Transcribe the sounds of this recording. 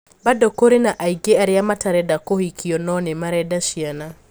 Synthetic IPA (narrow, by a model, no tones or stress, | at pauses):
badɔkoɾenaʔaiɡeaɾɪjamataɾɛdakohikʰiɔnɔnɛmaɾɛdaʃiana